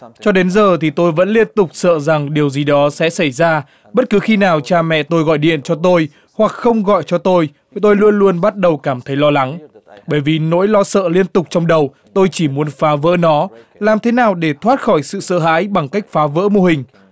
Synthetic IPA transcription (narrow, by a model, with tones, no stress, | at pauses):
t͡ɕɔ˧ɗe˨˦nzəː˨˩t̪ʰi˨˩t̪o˧jvə̰˧˥nli˧ənt̪ʊ˨˩k͡p̚sə̰ː˧˨za˨˩ŋɗi˨˩əwzi˨˩ɗɔ˨˦sɛ̰˧˥sa˧˩jzaː˧ | ɓə˦˥t̚kɨ˨˦xi˧naː˨˩wt͡ɕaː˧mɛ̰˧˨t̪o˧jɣɔ̰˧˨jɗḭ˧˨ənt͡ɕɔ˧t̪o˧j | hwa˨˩k̚xə˧wŋ͡mɣɔ̰˧˨jt͡ɕɔ˧t̪o˧j | t̪o˧jlu˧ənlu˧ənɓa˦˥t̚ɗə˨˩wkaː˧˩mt̪ʰə˨˦jlɔ˧la˨˦ŋɓəː˧˩jvi˨˩no̰˧˥jlɔ˧sə̰ː˧˨li˧ənt̪ʊ˨˩k͡p̚t͡ɕɔ˧wŋ͡mɗə˨˩w | t̪o˧jt͡ɕi˧˩mu˨˦ənfaː˨˦və̰ː˧˥nɔ˨˦ | laː˨˩mt̪ʰe˨˦naː˨˩wɗe˧˩t̪ʰwaː˦˥t̚xɔ˧˩jsɨ̰˧˨sə̰ː˧˨ɦa̰ː˧˥jɓa˨˩ŋka˦˥jk̟̚faː˨˦və̰ː˧˥mo˧˩hï˨˩ŋ̟